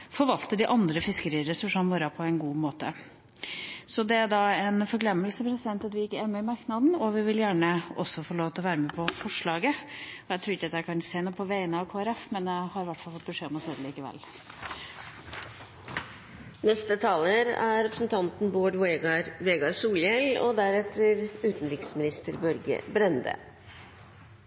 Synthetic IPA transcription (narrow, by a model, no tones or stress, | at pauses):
fɔɾʋɑlt̪əd̪ɪʔɑnd̪ɾəfɪskəɾiːɾɛsʉʂɑnmɔɾɑpʰɔɛnɡuːmoːt̪ə̰ | sɔd̪ɛæɖɑɛnfɔɾɡlɛmːəlsəpʰɾɛsɪd̪ɛnt̪ɑt̪ʋɪjɪkːəɛːnːɔɪmɑɾknɑd̪n̩ɔʋɪʋɪljæːɳəɔsːɔfoɭoːʋt̪ʰɪlɔʋæːɾəmeːpʰɔfɔʂɭɑːɡəɔjæɪt̪ʰɾuːɾɪç̪ːd̪əhæɾkʰɑnseːnuːpʰɔʋæɪənəɑʋkʰoːæɾɛfmɛnɛhɑɾʋæʈfɑlfɔt̪̚bəʂeːɔmɔseːd̪əliːkəʋɛ̰l | nɛst̪ət̪ʰɑːləɾæ̰ɾɛpɾəsn̩t̪ʰɑnt̪nboːɖʋeːɡɑɾʂuːljɛlɔ̰d̪æɾɛt̪ʰːəɾʉːt̪n̩ɾɪksmɪnɪst̪əɾbœɾɡə̰bɾɛnd̪ə̰